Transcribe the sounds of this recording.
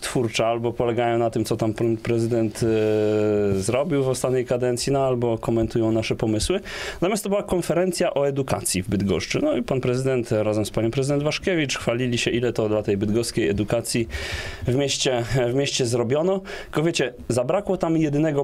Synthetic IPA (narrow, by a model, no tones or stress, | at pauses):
t̪fuɾt͡ʂɛalbɔpɔlɛɡajɔ̃w̃nat̪ɘmt̪ɔt̪ampunpɾɛzɘd̪ɛnt̪ | zɾɔbʲiwvɔst̪at̪ɲɛjkad̪ɛnt̪sʲjinaalbɔkɔmɛnt̪ujɔ̃w̃naʂɛpɔmɘswɘzamʲjast̪ɔbɘwakɔnfɛɾɛnt̪sʲjaʔɔɛd̪uka̰t̪sʲjivbɘd̪ɡɔ̰ʂt͡ʂɘnɔipanpɾɛzɘd̪ɛnt̪ɾazɛmspaɲɔ̃pɾɛzɘd̪ɛnd̪vaʂkʲɛvʲit͡ʂxfalʲilʲiɕɛʔilɛt̪ɔd̪lat̪ɛjbɘd̪ɡɔskʲejɛd̪ukat̪sʲjivmʲeɕt͡ɕɛvmʲjeɕt͡ɕɛzɾɔbʲjɔnɔkɔvʲjet͡ɕɛ | zabɾakwɔt̪amjɛd̪ɘnɛɡɔ